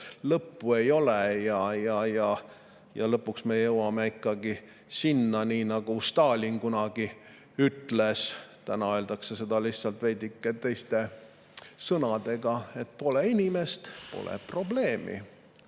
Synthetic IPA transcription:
lɤpːue̞jo̞lejɑjɑjɑ | jɑ̰lɤpːˑuksmejjɤwɑmeikːɑɡi | sinːɑniːnɑɡ̥ust̪ɑːlʲinkunɑɡ̥i | yt̪lest̪ænɑø̞ld̪̥ɑksese̞d̪ɑliht̪sɑlt̪ve̞jd̪ikˑːet̪e̞jst̪e̞ | sɤnɑd̪̥e̞ɡ̥ɑe̞t̪̚po̞leinime̞st̪po̞̰lʔḛpro̞ble̞ːmḭ

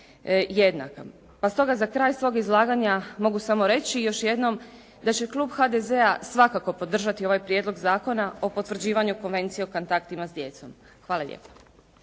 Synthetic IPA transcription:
jed̪na̰ka | past̪o̞ɡazakɾaːjsʋo̞ːɡizlˠaːɡaɲamo̞ɡusamo̞ɾe̞t͡ɕijo̞ʃje̞d̪no̞m | d̪at͡ɕe̞klˠuːbxad̪eze̞asʋakako̞po̞d̪r̩ʒat̪io̞ʋajpɾje̞d̪lˠo̞ɡzaːko̞nao̞po̞t̪ʋr̩d͡ʑiːʋaɲuko̞nʋe̞nt̪sije̞ukont̪akt̪imazd̪je̞t̪so̞̰m | xʋaːlalʎʲḛːpḁ

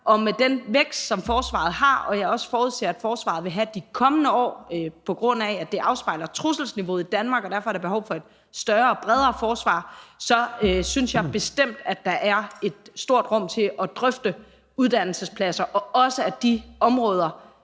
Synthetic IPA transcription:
ʔɒ̽med̥enʋeɡ̥sd̥sɒ̽mfɒːsʋɑ̰̈ːð̞̩ˠɦɑ̈ɒ̽jɑɒ̽sə̥fɒːuðˠsʰḛːæd̥fɒːsʋɑ̈ð̞̩ˠʋe̝ɦæd̥ikʰɒ̽mənəɒ̰ːpʰɒ̽ɡ̥ʁɔ̽n̰æːd̥e̝ʔɑ̈ʊsb̥ɑ̈ɪlɐt͡sʰʁusl̩sniʋo̝ːð̩ˠid̥ænmɑ̈ːɡ̥ɒd̥æɐfɒæɐɾ̥eb̥e̝ɦɒ̽ʊfɒ̽e̝d̥ | sd̥ɶɐːb̥ʁɛð̞ˠɐːfɒːsʋɑ̰̈ːsɒ̽øsynsjɑ̈b̥e̝sd̥em̰d̥æ̥d̥ɑ̈ʔæɐe̝d̥sd̥o̝ɐ̰d̥ʁɔ̽m̰t͡sʰe̝ʔɒ̽d̥ʁœfd̥ə | uðˠd̥æn̰l̩səspʰlæsɐʔɒ̽ɒ̽səæd̥iɒ̽mʁɔːð̞ˠɐ

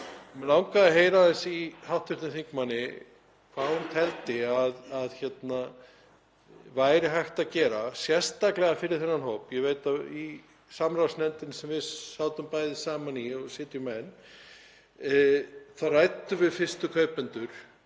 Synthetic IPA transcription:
mɛlawŋkaðɪɦeːjɾaðɛnsihawht̪vʏ̥t̪ɪnθiŋkmanːɪ | kʰvahunt̪ʰɛlt̪ɪaðaðçɛt̪na | vaːjɾɪɦajht̪aðcɛːɾasjɛst̪aklɛɣafɪɾɪɾ̥θɛnːanɦoːwpjɛveːjt̪ai | samɾawsnɛnt̪ɪnsɛmvɪðsawt̪ʏmpaːjðɪsaːmaniɔɣsɪːt̪jʏmɛn | θarajt̪ːʏvɪðfɪ̥st̪ʏkʰœːɥpɛnt̪ʏɾ̥

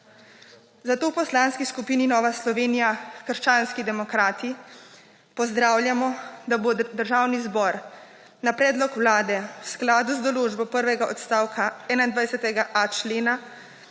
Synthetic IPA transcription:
zat̪oːwpɔslaːnskiskupiːninɔːʋaslɔʋeːnijakəɾʃt͡ʃaːnskid̪ɛmɔkɾaːt̪i | pɔzd̪ɾaːwlʲjamɔd̪abod̪əɾʒaːwnizbɔɾ | napɾɛːd̪lɔkwlaːd̪ɛwsklaːd̪uzd̪ɔloːʒbɔpəɾʋɛɡaʔɔt̪st̪aːwkʰaɛːnaind̪ʋajsɛt̪ɛɡaʔat͡ʃleːna

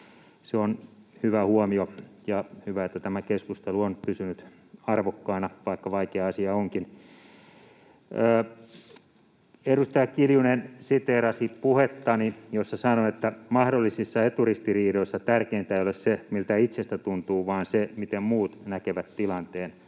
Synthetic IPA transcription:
seonhyʋæhuɔmiojɑhyʋæet̪ːæt̪æmækeskust̪eluonpysynyt̪ | ɑrʋokːɑinɑʋɑikːɑʋɑikeɑɑsiɑoŋkin | eɾust̪ɑjɑkkiljunensit̪eːɾɑsipuhet̪ːɑnijosːɑsɑnoet̪ːæmɑhdolːisisːɑet̪urist̪iriːdoisːɑt̪ærkeint̪æiolessemilt̪æit̪sest̪æt̪unt̪uːʋɑːnsemit̪emmuːt̪nækeʋæt̪t̪ilɑnt̪eːn

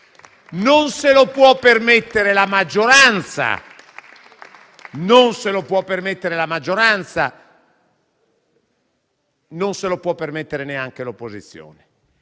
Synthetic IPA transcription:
nonselopwɔpːermet̪ːeɾelamad͡ʒːoɾant̪sa̰ | nonselopwɔpːermet̪ːeɾelamad͡ʒːoɾant̪sa̰ | nonselopwɔpːermet̪ːeɾeneaŋk̟elopːozit̪sːjo̰ːne

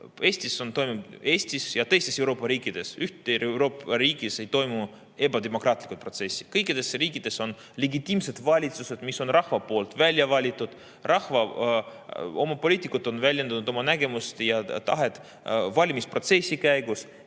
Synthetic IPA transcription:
e̞ːsʲt̪ʲiso̞nt̪o̞jmuve̞ːsʲt̪isjɑt̪ɤ̞jst̪e̞se̞wɾo̞ːpːɑɾiːkːˑid̪̥e̞syht̪ːeeɾo̞ːpɑɾiːɡ̥ise̞jt̪o̞jmu | e̞bɑd̪emo̞krɑːt̪ˑlʲikut̪pro̞t̪se̞sʲːi̥kɤjkːˑid̪̥e̞sriːkˑid̪̥e̞so̞n | leɡit̪ʲːˑiːmse̞d̪̥vɑlʲit̪suse̞d̪̥miso̞nrɑhvɑpo̞ːlt̪vælʲjɑvɑlʲit̪ːˑud̪̥ | rʔɑhvɑ | o̞mɑpo̞lʲiːt̪ikːˑut̪ːˑo̞nvælʲjend̪ɑnud̪o̞mɑnæɡe̞must̪jɑt̪ɑɦe̞t̪ˑ | vɑlʲimispro̞t̪se̞sʲːikæjɡus

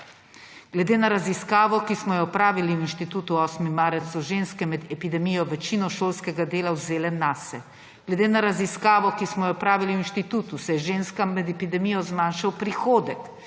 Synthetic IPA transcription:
ɡ̥lɛd̪eːnaɾaziskaːʋɔkismɔjɛɔpɾaːʋiliwinʃt̪it̪uːt̪uɔːsmimːaːɾəsuʒeːnskɛmɛd̪ɛpid̪ɛmijɔʋɛt͡ʃinɔʃoːlskɛɡad̪eːlawzeːlɛnasɛ | ɡlɛd̪eːnaɾaziskaːʋɔkismɔjɛɔpɾaːʋiliwinʃt̪it̪uːt̪usɛjɛʒeːnskamːɛd̪ɛpid̪ɛmijɔzmaːnʃawpɾixoːd̪ɛk

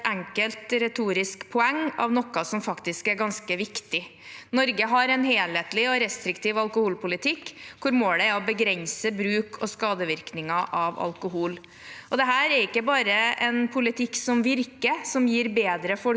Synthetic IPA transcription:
ɛŋkəlt̪ɾɛt̪ʰuːɾɪskpʰɔɛŋːɑ̰ʋnɔkːɑsɔmfɑkt̪ɪskæɾɡɑnskəʋɪkt̪ɪnɔɾɡəɦɑɾɛnɦeːleːt̪lɪɔɾɛst̪ɾɪkt̪iːʋɑlkʊhuːlpʊlɪt̪ʰɪkːkʰʊɾmoːlɛɔbəɡɾɛnsəbɾʉːkʰɔskɑːd̪əʋɪɾknɪŋɑʔɑʋɑ̰lkʊɦuːl | ʔɔd̪ɛɦæːɾɛɾɪkːəbɑːɾəɛnpʰʊlɪt̪ʰɪkːsɔmʋɪɾkəsɔmjiːɾbeːd̪ɾəfɔ

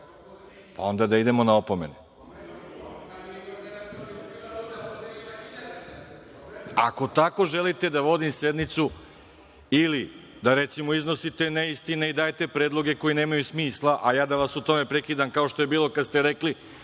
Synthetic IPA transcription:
pao̞nd̪ad̪aid̪e̞mo̞naopome̞̰ne | a̰ko̞t̪ako̞ʒelit̪e̞d̪aʋo̞d̪imse̞d̪nit̪su | ili | d̪aɾet̪simo̞izno̞sit̪e̞neist̪ineid̪aːjt̪e̞pɾe̞ːd̪lˠo̞ɡe̞ko̞jine̞ːmajusmiːslˠaʔajaːd̪aʋasut̪o̞me̞pɾekiːd̪amkao̞ʃt̪o̞je̞biːlˠo̞kad̪st̪e̞ɾekli

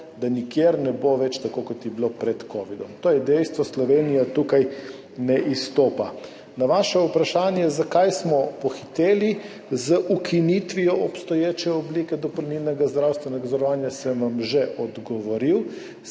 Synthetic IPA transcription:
d̪anikjeːɾnɛboʋɛt͡ʃt̪akokɔt̪jɛblopɾɛt̪kɔːʋid̪ɔmt̪oːjɛd̪ɛjst̪ʋɔslɔʋeːnijat̪ukaj | nɛʔist̪oːpa | naʋaːʃɛupɾaʃaːnjɛzakajsmɔpɔxit̪eːli | zəʔukʰinit̪ʋijɔʔɔpst̪ɔjeːt͡ʃɛɔblikɛd̪ɔpɔɾnilnɛɡazd̪ɾawst̪ʋɛnɛɡazɔɾɔʋaːnjasəmʋamʒɛʔɔd̪ɡɔʋɔɾiw

